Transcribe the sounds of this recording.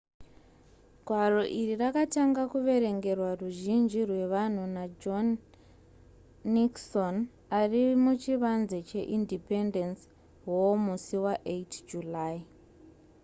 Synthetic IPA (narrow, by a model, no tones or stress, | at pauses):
ɡʱwaro̞ʔirirakataŋɡakuʋe̞ɾe̞ŋɡe̞rwaruʒind͡ʒirwe̞ʋan̤unad͡ʒon | ikson | arimut͡ʃiʋanzet͡ʃe̞̰ʔindipe̞ndens | womusiwaʔetd͡ʒulai